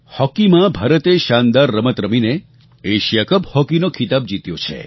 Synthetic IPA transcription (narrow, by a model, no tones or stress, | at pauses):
hɔkimãbʱaɾət̪eʃand̪aɾːəmət̪ɾəmine | eʃjakəbhɔkinokʰit̪ab̚d͡ʒit̪jot͡ʃʰḛ